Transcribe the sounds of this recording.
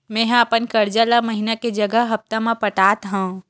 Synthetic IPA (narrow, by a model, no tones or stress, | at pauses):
mɛ̃ːɦəpənkɐɾd͡ʒalaməɦinaked͡ʒɐɡəɦɦɐp̚t̪amãpəʈaːt̪ɦã